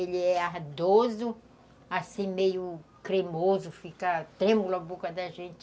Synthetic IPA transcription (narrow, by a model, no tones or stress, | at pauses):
elɪɛaɾd̪ozʊ | asĩmejʊkɾemozʊfikɐt̪ɾẽmulabokɐd̪ɐʒẽnt͡ʃɪ